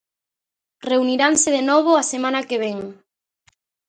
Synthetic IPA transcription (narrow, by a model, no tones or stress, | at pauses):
reuniɾaŋseðenɔβ̞oasemãnakeβ̞eŋ